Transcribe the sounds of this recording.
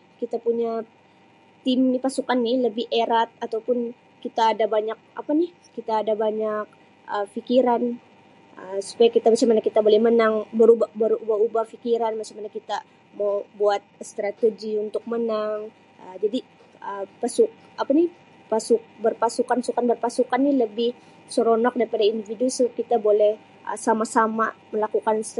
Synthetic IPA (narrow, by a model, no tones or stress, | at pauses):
kit̪apuɲa | t̪ɪmnpasukanːɪhləbɪheɾat̪̚at̪awpʊn | kit̪aːdabaɲak̚ʔa̰panɪh | kit̪aːdabaɲak̚ | əfikiɾan | əsu̥pajakit̪amat͡ʃamanakit̪abolɛhmənaŋbəɾubabəɾubaɦubahfikiɾanmat͡ʃamanakit̪a | mabuat̪̚st̪ɾat̪eɡiunt̪ʊk̚mənaŋ | ʔəd͡ʒadi | əpasʊk̚ | apanɪh | pasuk̚bərpasukansukanbərpasukanːiləbɪh | soɾonak̚daɾipadaindividus̚kit̪abolɛh | ʔə̰samasamaməlakukans